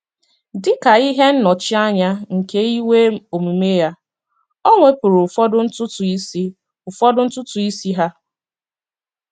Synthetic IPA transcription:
dɪ˦ka˨i˦ɦe˦n̩˦nɔ˨t͡ʃɪ˦a˦ɲa˦ŋ̩˨ke˦i˦we˦o˨mi˨me˦ja˦ | ɔ˦ŋʷe˦pʊ˨ɾʊ˨fɔ˦dʊ˦n̩˦tʊ˦tʊ˨i˦si˦ | ʊ˨fɔ˦dʊ˦n̩˦tʊ˦tʊ˨i˦si˦ɦa˦

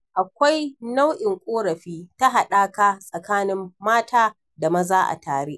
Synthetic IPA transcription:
ʔa˨kʷa˦jna˦wʔɪ˨ŋkʷʼoː˦ɽɐ˨ɸiː˦ta˦ɦa˨ɗaː˦kaː˦sʼɐ˨kaː˦nɪ˦mːaː˦taː˦ | da˨mɐ˦zaː˦ʔa̰˨taː˨ɽeː˦ʔ

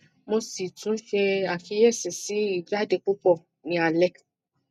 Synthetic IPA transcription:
mo˧si˨tũ˨˦ʃɛ˧a˨fi˧˦jɛ˦˨sɛ˨si˨˦i˦˨da˦de˧k͡pu˦k͡pɔ˦˨ | nĩ˧a˨lɛ˦k

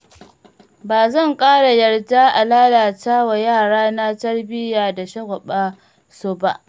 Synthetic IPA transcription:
baː˨zɐ˦˨ŋkʼaː˦ɽa˨jɐ˨rdaː˦ʔa˨laː˦laː˨taː˦wa˨jaː˦˨ɽaː˦naː˦tɐ˦rbɪ˦jaː˨da˨ʃɐ˦ɡʷɔ˨ɓaː˦ | soː˦ba̰˦ʔ

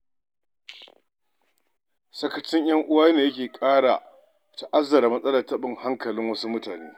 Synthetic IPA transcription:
sɐ˦kɐ˦t͡ʃɪ˦ɲj̰ɐ˦ŋʔʊ˦waː˦neː˨jɐ˦kʲeː˨kʼaː˦ɽa̰˨ | ta˨ʔa˦zːɐ˨ɾa˨mɐ˦sʼɐ˦lɐ˨tɐ˦ɓɪ˦˨ŋha˦ŋkɐ˨lɪ˦ŋwɐ˦su˦mʊ˦taː˨nḛː˦

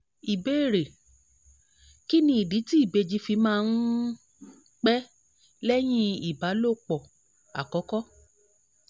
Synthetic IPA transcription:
i˨be˦e˦˨ɾe˨ | ki˦nĩ˧˦i˨di˨˦ti˦i˦˨be˧d͡ʒi˧fi˧mãː˦˧n̩˦ | k͡pɛ˦ | lɛ˦j̃ĩ˦i˨ba˨˦lo˦˨k͡pɔ˨ | a̰˨kɔ˨˦kɔ˦

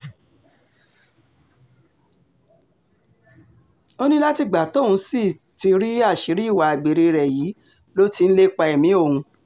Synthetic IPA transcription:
o˦nĩ˦la˦ti˧ɡ͡ba˨tɔ˦˨ũ˧˦si˦˨ | ti˧ɾi˦a˦˨ʃi˨˦ɾi˦i˦˨wa˨a˨ɡ͡be˨ɾe˧ɾɛ˨jiː˨˦ | lo˦ti˧n̩˦le˦k͡pa˧ɛ˨mĩ˨˦o˦˨hũ˧

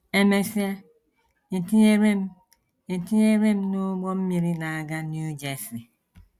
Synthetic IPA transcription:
e˨me˨fi˦a˦ | e˨ti˦e˦ɾe˦m˦ | e˨ti˦e˦ɾe˦m̩˦no˦ɡ͡bɔ˦m̩˦mi˨ɾi˦na˨a˨ɡa˦nju˦d͡ʒe˨si˨

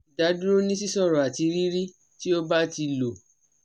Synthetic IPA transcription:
i˨da˨˦du˦ɾo˦nĩ˦s̬i˦sɔ˦˨ɾɔ˨a˨ti˧ɾi˦ɾi˦ | ti˦o˦ba˦ti˧lo˨

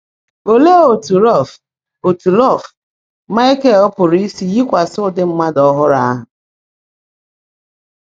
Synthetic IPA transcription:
o˨le˦o˨tu˨ɾɔ˦˨f | o˨tu˨lɔ˦˨f | ma˦e˦ke˦˨ʊ˦pʊ˨ɾi˦si˦ji˦kʷa˨sʊ˦˨dɪ˦m̩˦ma˦dɔ˦ɦʊ˦ɾa˦a˦ɦʊ˨

